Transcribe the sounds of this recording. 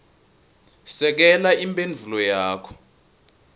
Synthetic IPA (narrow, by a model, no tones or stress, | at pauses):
sɛk̬ɛlaimpʼend͡ɮʱulɔjaːkʰɔ̥